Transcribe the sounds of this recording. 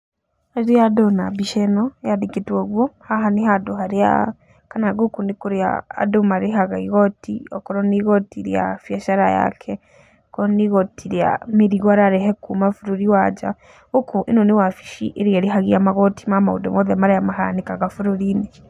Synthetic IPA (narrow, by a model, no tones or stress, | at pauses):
haiɾijadonabiʃenɔjadiketwoɣwohaɦaniɦaduɦaɾia̰ | kanaɡokundikuɾia̰ːdomaɾiɦaɣaiɣɔtḭɔkɔɾɔniɣɔtiɾja̰fjaʃaɾa̰ja̰kʰɛ | kɔɾɔniɣɔtʰiɾja̰miɾiɣwaɾaɾɛɦekumafuɾuɾiwad͡ʒa̰ | ukuʔinoniwafi̥ʃḭʔeɾieɾiɦaɣiamaɣɔtimama̰ṵdo̰moðɛmaɾajamaɦa̰nikaɣafuɾuɾini